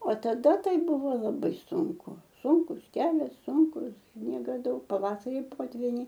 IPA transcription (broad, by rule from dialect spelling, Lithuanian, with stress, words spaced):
oː tɐˈdɐ ˈtɐɪ ˈbʊʋoː lˠɐˈbɐɪ ˈsʊŋkʊ ˈsʊŋkʊs ˈkʲæːlʲɛs ˈsʊŋkʊs ˈsʲnʲiɛɡɐ ˈdɐʊk pɐˈʋɑːsɐrʲɪ ˈpoːtʲʋʲɪnʲɛɪ